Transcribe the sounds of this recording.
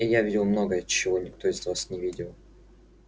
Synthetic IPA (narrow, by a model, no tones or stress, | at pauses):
ijavʲidʲɪlˠmnoɡəjət͡ɕːɪvo̞nʲɪkt̪o̞ɪzvasnʲɪvʲidʲɪlˠ